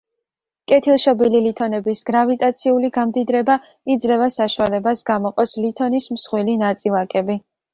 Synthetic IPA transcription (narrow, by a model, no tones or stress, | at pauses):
kʼɛt̪ʰilˠʃɔbililit̪ʰɔnɛbisɡɾavit̪ʼat̪sʰiuliɡamd̪id̪ɾɛba | id̪zɾɛvasaʃuwalɛbasɡamɔqʼɔslit̪ʰɔnismsχwilinat̪sʼilˠakʼɛbi